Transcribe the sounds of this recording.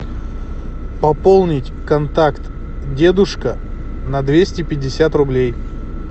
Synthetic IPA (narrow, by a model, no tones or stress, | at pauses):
pɐpolˠnʲɪtʲkɐnt̪akt̪ | dʲe̞d̪ʊʂkə | nɐd̪vʲesʲtʲɪpʲɪdʲːɪsʲat̪rʊblʲej